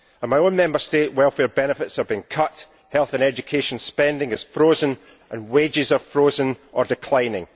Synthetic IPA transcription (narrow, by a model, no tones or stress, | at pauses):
ə̃nmaɪõnmɛ̃mbə˞steʔwɛlˠfɛɹbɛnɪfɪtsəvbĩnkʰʌʔ | hɛlˠθə̃nɛd͡ʒɨkʰeʃə̃nspɛ̃ndɪ̃ŋɪz̥fɹozə̃n | ʔə̃nwed͡ʒɪzə˞fɹozə̃nʔə˞dɪkʰl̥ˠãɪ̃nɪ̰̃ŋ